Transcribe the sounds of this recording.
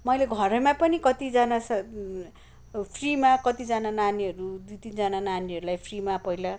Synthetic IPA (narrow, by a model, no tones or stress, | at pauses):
mʌjleɡʱʌɾʌmapʌnikʌt̪id͡zanas | pʰrimakʌt̪id͡zanananiɦʌɾud̪ujt̪ind͡zanananiɦʌɾulajpʰrimapʌila